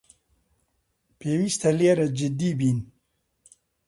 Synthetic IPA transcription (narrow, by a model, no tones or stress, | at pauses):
pewist̪aleːɾad͡ʒɪd̪ibin